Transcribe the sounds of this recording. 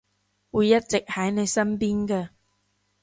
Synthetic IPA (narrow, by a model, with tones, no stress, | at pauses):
wuː˨˧jːɐ˥t̚t͡sɪ˨k̚hɐ˨˥jne˨˧jsɐ˥mpiː˥nkɛː˧